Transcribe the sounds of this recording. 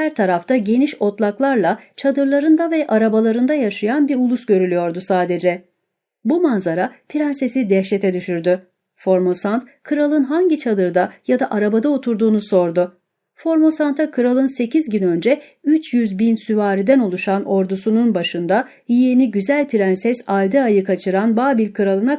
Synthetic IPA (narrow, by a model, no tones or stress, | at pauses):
hæɾt̪ʰaɾaft̪ʰaɟe̞niʃo̞t̪lˠaklˠaɾlˠat͡ʃʰad̪ɯɾlˠaɾɯnd̪avɛʔaɾabalˠaɾɯnd̪ajaʃɯjanbiɾulˠusɟø̞ɾylʲyjo̞ɾd̪usaːd̪e̞d͡ʒɛ | bumanzaɾapʰiɾanse̞sid̪ɛʃ̬let̪ʰɛd̪yʃyɾd̪y | fo̞ɾmo̞sant̪kʰɯɾalˠɯnɦaɲɟit͡ʃʰad̪ɯɾd̪ajad̪aʔaɾabad̪aot̪ʰuɾd̪uːnuso̞ɾd̪ʊ | fo̞ɾmo̞sant̪ʰakʰɯɾalˠɯnse̞cʰizɟynø̞nd͡ʒɛ | yt͡ʃjyzbinsyvaːɾid̪ænolˠuʃano̞ɾd̪usununbaʃɯnd̪a | jijeniɟyzælʲpʰiɾænsɛsalʲd̪ɯajɯkʰat͡ʃʰɯɾanbaːbilʲkʰɯɾalˠɯna